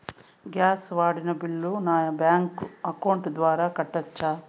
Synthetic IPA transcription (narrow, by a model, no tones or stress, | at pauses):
ɡjaːsʋaːɽinɐbiɭːunaːjɐbjaːŋkɐkɐwɳʈd̪ʋaːɾaːkɐʈːɐt͡ʃːaː